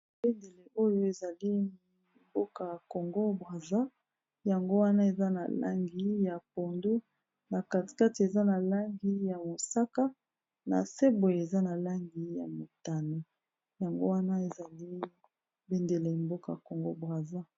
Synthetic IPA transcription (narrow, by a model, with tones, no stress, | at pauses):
be˦nde˨le˨ʔo˦jo˦e˨za˨li˦ | mbo˦ka˨ja˨ko˨ŋɡo˦bʁa˨za˦ | ja˨ŋɡo˦wa˦na˦e˨za˦na̰˨la̰˦ŋɡi˦ja˨po˨ndu˦ | na˨ka˨ti̥˨ka˦ti˨e˨za˦na˨la˦ŋɡi˦ja˨mo˨sa˦ka˦ | na̰˨se˦bo˨je˨za˦na˨la˦ŋɡi˨ja̰˨mo˨ta˨ne˨ | ja˨ŋɡo˦wa˦na˦e˨za˨li˦ | be˦nde˨le˨mbo˦ka˨a˨ko˨ŋɡo̰˦bʁa˨za˦